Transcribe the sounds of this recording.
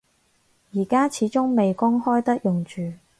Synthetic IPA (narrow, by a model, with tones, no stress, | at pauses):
jiː˨˩kaː˥t͡sʰiː˨˥t͡sʊ˥ŋme˨jkʊ˥ŋhɔː˥jt̪ɐ˥k̚jʊ˨ŋt͡ʃyː˨˩